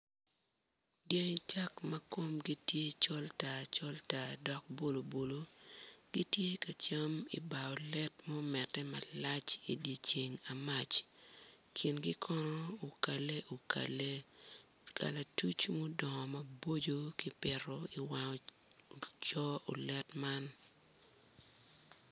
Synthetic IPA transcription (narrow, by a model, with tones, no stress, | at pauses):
ɡje˦ŋt͡ʃa˦kmɐ˦ko˦mɡi˦tje˦t͡ʃɔ˦lta˨t͡ʃɔ˦lta˨dɔ˦k̚bo˦lo˨bo˨lo˦ɡ̥i˦tje˦ka˨t͡ʃa˦mḭ˨ba˨ɔ˨lɛ˦tmɔ˦mɛ˨tːɛ˦ma˨la˦t͡ʃi˨dje˨t͡ʃe˨ŋa˨ma˨t͡ʃ | kʰi˨nɡi˦kʰɔ˦nɔ˦o˨ka˨le˦ʔo˨kʰa̰˨le˦ | kʰa̰˨la˨tu˦t͡ʃmo˦dɔ˨ŋɔ˨mɐ˨bo˦d͡ʒo˦ki˦pɪ˨ɾɔ˨i˨wa˨ŋɔ˨ | t͡ʃɔ˦o˨lɛ˦tma˦n